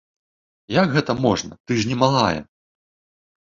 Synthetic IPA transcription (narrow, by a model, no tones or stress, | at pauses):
jakɣɛt̪ɐmɔʐnɐ̰t̪ɨʐnʲɛmaɦajɛ̰